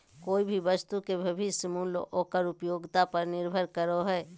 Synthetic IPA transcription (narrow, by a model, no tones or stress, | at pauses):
koːibʱiʋəst̪ukebʱebɪsəmulʔoːkəɾʊpjoːɡt̪apɐɾnɪɾbʱəɾkəɾoɦɛː